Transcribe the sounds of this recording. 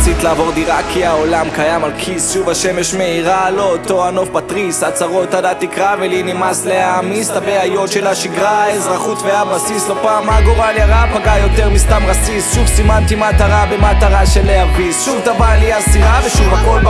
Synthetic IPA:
sit̪laːvo̞ʁd̪iʁakʰiao̞lamkajamalkʰisʃuvaʃe̞meʃmeiʁalo̞ːt̪o̞ano̞fbat̪ʁishat͡saʁo̞t̪had̪at̪ikʁavelinimasleamistabeajo̞t̪ʃelaʃiɡʁaezʁaχut̪veabʁasislopaːmaɡoʁaljaʁapaɡajo̞t̪eʁmist̪amʁasisʃuvsimant̪imat̪aʁabemat̪aʁaʃelehaʁbisʃuvt̪abaliasiʁaveʃuvako̞lb

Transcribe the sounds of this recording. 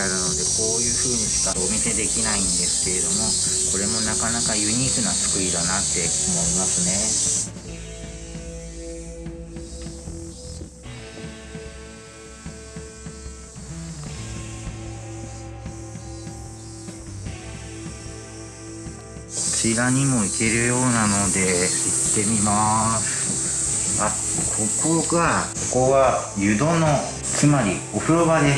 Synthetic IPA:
aɾɯno̞d̪e̞ko̞ːjɯ̟ːɸɯ̟ːɲ̟isi̥kaomʲise̞d̪e̞kʲinaĩnd̪e̞sɨ̥ke̞ɾe̞d̪o̞mo̞ko̞ɾe̞mo̞nakanakajɯ̟ɲ̟iːkɯ̟nasɨ̥kɯ̟id̪anat̪ːe̞omo̞imasɨne̞ | kʰo̞t͡ɕiɾaɲ̟imo̞ike̞ɾɯ̟jo̞ːnano̞d̪e̞it̪ːe̞mʲimasɨ̥ | a | kʰo̞kʰo̞ɡakoko̞βajɯ̟d̪o̞no | t͡sɨmaɾʲi | o̞ɸɯ̟ɾo̞βad̪e̞

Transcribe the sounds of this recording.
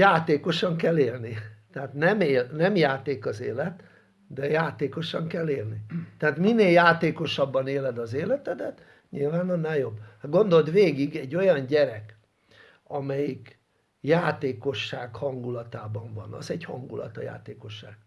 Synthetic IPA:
jaːt̪eːko̞ʃɒŋkɛlːeːlnit̪ɛaːt̪nɛmeːlnɛmjaːt̪eːkɒzeːlɛt̪ | d̪ɛjaːt̪eːko̞ʃɒŋkɛlːeːlnit̪ɛat̪minːeːljaːt̪eːko̞ʃɒbːɒneːlɛd̪ɒzeːlɛt̪ɛd̪ɛt̪ | ɲilvaːnɒnɛjobːɡo̞nd̪o̞ld̪ʋeːɡiɡɛɟːo̞jɒɲɟɛɾɛk | ɒmɛjik | jaːt̪eːko̞ʃːaːkhɒŋɡulɒt̪aːbɒɱvɒ̰nɒ̰zɛɟhɒ̰ŋɡulɒ̰t̪ɒja̰ːt̪eːko̞ʃːa̰ːɡ̥

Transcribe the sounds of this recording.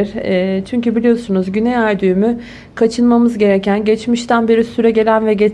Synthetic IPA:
ɾ̥ɛːt͡ʃʰyɲcybilʲijo̞sunuzɟynɛjæɾd̪yːmy | kʰat͡ʃʰɯnmamɯzɟe̞ɾɛcʰænɟɛt͡ʃmiʃt̪ʰænbeɾisyɾɛɟe̞lʲænvɛɟe

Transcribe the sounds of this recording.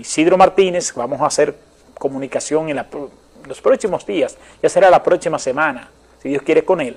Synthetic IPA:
siðɾomaɾt̪ine̞sbamosaːse̞ɾ | ko̞mũnikasjo̞ŋenlapo | lospɾoksimozd̪ias | ʝase̞ɾalapɾoksimase̞mãna | siðjo̞skje̞ɾeko̞ne̞l

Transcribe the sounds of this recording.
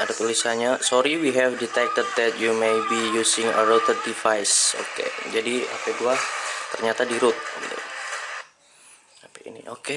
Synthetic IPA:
adat̪ulisaɲasɔɾiwiɦɛfdit̪ɛk̚t̪əd̪̚dɛt̪jumejbijusɪŋə̰ɾot̪ərdifajso̰kḛd͡ʒadia̰pajduat̪ərɲat̪adiɾʊt̪̚ɡit̪ṵ | apaḭnḭʔoke

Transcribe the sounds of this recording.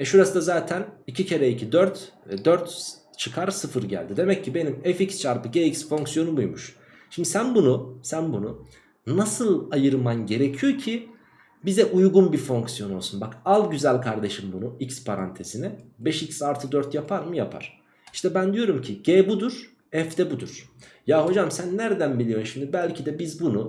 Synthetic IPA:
ɛʃuɾasɯd̪azaːt̪ʰænicʰicʰe̞ɾɛicʰid̪øɾt̪ɛd̪øɾt̪ | t͡ʃʰɯkʰaɾsɯfɯɾɟæ̰lʲd̪id̪e̞mɛcʰːibe̞nimɛficst͡ʃʰaɾpɯɟeicsfo̞ŋksijo̞nubujmuʃ | ʃimd̪isænbunusænbunu | nasɯlˠajɯɾmanɟe̞ɾecʰijo̞cʰi | bizɛʔujɡunbiɾfo̞ŋksijo̞no̞lˠsunbakalˠɟyzælʲkʰaɾd̪e̞ʃɯmbunuicspʰaɾa̰nt̪ʰe̞sinɛbɛʃicsaɾt̪ʰɯd̪øɾt̪japʰaɾmɯjapʰa̰ɾ̥ | iʃt̪ʰɛbænd̪ijo̞ɾumcʰiɟeːbud̪uɾ̥ | ɛfd̪ɛbud̪uɾ̥ | jaːɦo̞d͡ʒamsænːæɾd̪ænbilʲijo̞mʃimd̪ibælʲcʰid̪ɛbizbunu

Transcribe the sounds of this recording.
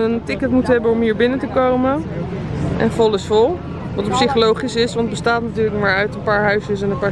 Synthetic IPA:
əntɪkətmutɦɛbənɔmɦiːɹbɪnətəkowmən | ʔɛ̰nfɔlˠɪsfɔlˠ | ʋɑtəpsiχolowχisɪsʋɑnd̚bəstaːtnatyːɹləkmaːɹœɥtənpaːɹɦœɥsəsɛnənpaː

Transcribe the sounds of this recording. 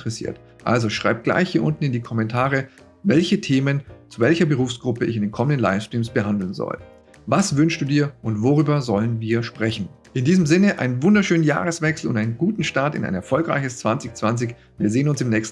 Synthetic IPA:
ʁɛsḭːɐt | ʔa̰lzoʃʁ̥a̰ɪp̚ɡ̥la̰ɪçhiːɐʔʊntn̩ɪndiːkʰɔmɛntʰaːʁə | vɛlçətʰeːmənt͡suvɛlçɐbəʁ̞uːfsɡ̥ʁʊpəɪ̰çɪndeːnkʰɔməndənla̰ɪfstʁ̥iːmsb̥əɦandl̩nzɔ̰l | vasvʏnʃtd̥uːdiːɐʔʊntvoʁ̞yːbɐzɔlənviːɐʃpʁ̥ɛçn̩ | ʔɪndiːzəmzɪnəʔa̰ɪnənvʊndɐʃøːnənja̰ːʁəsv̥ɛksl̩ʊ̰ntaɪnənɡuːtn̩ʃtaɐtɪ̰nʔa̰ɪnɛɐfɔlkʁa̰ɪçəst͡sv̥ant͡sɪçt͡sv̥ant͡sɪç | viːɐzeːənʊnsɪmnɛːçst̩

